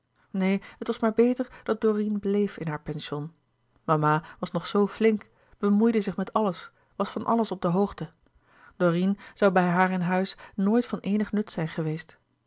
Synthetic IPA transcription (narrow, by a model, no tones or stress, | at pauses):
nejɦətʋɑsmaːɹbejtəɹd̥ɑt̚dorinblejfɪnɦaːɹpɛnʃɔn | mamaːʋɑsnɔχsowflɪŋk | b̥əmujdəzɪχmɛtɑləs | ʋɑsfɑnʔɑ̰ləsɔb̚dəɦowχtə | d̥orinz̥ɑwbɛjɦaːɹɪnɦœɥsnoːjtfɑnʔejnəχnɵtsɛjnχəʋejst